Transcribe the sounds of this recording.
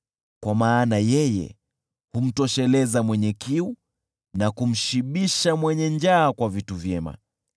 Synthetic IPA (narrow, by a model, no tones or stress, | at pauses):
kwamaːnajɛjɛ̰ | hum̩tɔʃɛlɛzamwɛɲɛkiu | nakum̩ʃiɓiʃamwɛɲɛɲd͡ʒaːkwavituvjɛma̰